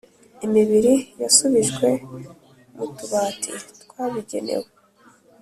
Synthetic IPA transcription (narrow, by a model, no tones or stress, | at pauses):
imiβiɾijasuβiʒɡwe̞ | mutuβaːtʰḭtwaːβiɟe̞̰ne̞̰we